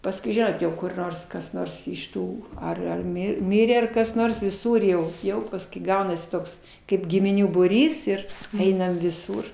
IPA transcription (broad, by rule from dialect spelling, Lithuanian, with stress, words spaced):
pɐsˈkʊɪ ˈʒʲɪnoːt jɛʊ kʊr ˈnoːrs kɐs ˈnoːrs ɪʃ ˈtuː ɐr ɐr ˈmʲɪ ˈmʲɪrʲeː ɐr kɐs ˈnoːrs ʋʲɪˈsʊr jɛʊ ˈjɛʊ pɐskʊɪ ˈɡɐʊnɐsʲɪ ˈtoːks kɐɪp ɡʲɪmʲɪˈnʲuː buːˈrʲiːs ɪr ˈɛɪnɐm ʋʲɪˈsuːr